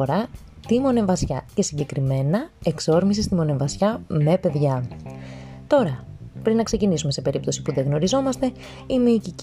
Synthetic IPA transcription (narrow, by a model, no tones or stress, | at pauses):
oɾɐ | t̪imo̞ne̞vɐsçɐce̞siɲɟe̞kɾime̞nɐe̞kso̞ɾmis̬ist̪imo̞ne̞ɱvɐsçɐme̞pe̞ðʝɐ | t̪o̞ɾɐpɾinɐkse̞cinisume̞se̞pe̞ɾip̚t̪o̞sipuðe̞ɣno̞ɾizo̞mɐst̪e̞ | imeicic